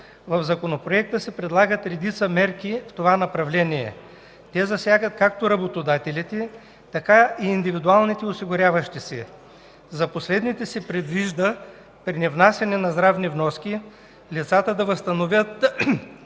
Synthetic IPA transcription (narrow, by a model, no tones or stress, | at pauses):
vɐvzɐkonopɾoɛk̚t̪əsɛpɾɛd̪lˠaɡət̪ɾɛd̪it̪səmɛɾkift̪ovanɐpɾɐvlɛniɛ̰ | t̪ɛzɐsʲjaɡət̪̚kak̚t̪oɾɐbot̪od̪at̪ɛlit̪ɛ | t̪ɐkaiːnd̪ivid̪ualˠnit̪ɛosiɡʊɾʲavɐʃt̪isɛ̰ | zɐposlɛd̪nit̪ɛsɛpɾɛd̪viʒd̪ə | pɾinɛvnasʲjɐnɛnɐzd̪ɾavnivnɔskʲi | lit̪sat̪əd̪ɐvəst̪ɐnovʲjət̪